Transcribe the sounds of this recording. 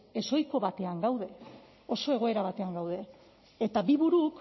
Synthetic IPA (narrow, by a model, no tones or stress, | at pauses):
eso̞jko̞βat̪e̞aŋɡawðe̞ | oso̞e̞ɣ̞o̞e̞ɾaβat̪e̞aŋɡawðe̞ | et̪abiβuɾuk